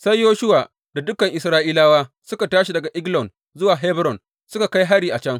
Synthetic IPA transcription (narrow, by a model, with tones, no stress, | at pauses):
sa˦jjoː˦ʃʊ˦waː˨ | d̥a˨dʊ˦kɐ˨ŋʔɪ˨sɾaː˦ʔiː˦laː˦waː˦ | sʊ˦ka˨taː˦ʃi˨dɐ˨ɡa˨ʔɪ˦ɡlɔ˨n | zʊ˦waː˨ɦe˦bɾɔ˨n | sʊ˦ka˨ka˦jɦa˦ɽiː˨ʔa˨t͡ʃɐ˦ŋ